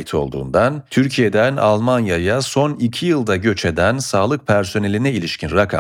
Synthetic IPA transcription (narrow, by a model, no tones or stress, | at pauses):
it̪ʰo̞̰lˠd̪ṵːnd̪ant̪ʰyɾcʰijed̪æna̰lˠmanjajaso̞nicʰijɯlˠd̪aɟø̞t͡ʃʰe̞d̪ænsaːlˠɯk̚pʰæɾso̞ne̞lʲinɛilʲiʃcʰinɾakʰa̰